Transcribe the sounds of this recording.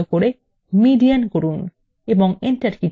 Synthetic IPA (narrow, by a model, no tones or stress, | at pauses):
okoɾe | miɖiankoɾun | ebɔŋenʈaɾkiʈ